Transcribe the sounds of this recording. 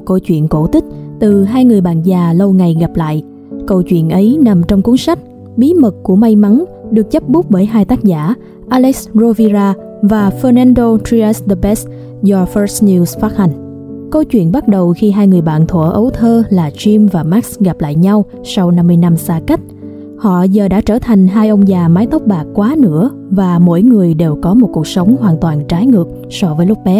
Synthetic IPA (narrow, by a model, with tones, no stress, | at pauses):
kə˧wt͡ɕwḭ˧˨ənko˧˩t̪ï˦˥k̟̚t̪ɨ˨˩ɦaː˧jŋɨ˨˩əjɓa̰ː˧˨nzaː˨˩lə˧wŋa˨˩jɣa˨˩p̚la̰ː˧˨jʔ | kə˧wt͡ɕwḭ˧˨ənʔə˨˦jna˨˩mt͡ɕɔ˧wŋ͡mku˨˦ŋsa˦˥k̚ | ɓi˨˦mə˨˩k̚ku˧˩əma˧jma˨˦n | ɗɨ˨˩ək̚zə˦˥p̚ɓu˦˥k͡p̚vəː˧˦jɦaː˧jt̪aː˦˥k̚za̰ː˧˩ | ʔaː˧lɛ˦˥szo˧vi˧zaː˧ | vaː˨˩fəː˧na˧nɗo˧t̪ɾi˧a˦˥sɗə˧bɛ˦˥s | zɔ˧fə˦˥sni˧sfaː˦˥t̚ha˨˩jŋ̟ | kə˧wt͡ɕwḭ˧˨ənɓa˦˥t̚ɗə˨˩wxi˧ɦaː˧jŋɨ˨˩əjɓa̰ː˧˨nt̪ʰwə̰˧˩ʔə˨˦wt̪ʰəː˧laː˨˩t͡ɕi˧mvaː˨˩maː˦˥k̚sɣa˨˩p̚la̰ː˧˨jɲa˧w | sa˧wna˧mːɨ˧əjna˧msaː˧ka˦˥k̟̚ | hɔ̰˧˨zəː˨˩ɗa̰ː˧˥t͡ɕəː˧˩t̪ʰa˨˩jŋ̟ɦaː˧jʔə˧wŋ͡mzaː˨˩maː˨˦jt̪ə˦˥wk͡p̚ɓaː˨˩kkːwaː˨˦nɨ̰˧˥ə | vaː˨˩mo̰˧˥jŋɨ˨˩əjɗe˨˩wkɔ˨˦mo˨˩t̚ku˨˩ək̚sə˨˦wŋ͡mhwaː˨˩nt̪waː˨˩nt͡ɕaː˨˦jŋɨ˨˩ək̚ | sɔ˧vəː˨˦jlʊ˦˥k͡p̚ɓɛ˨˦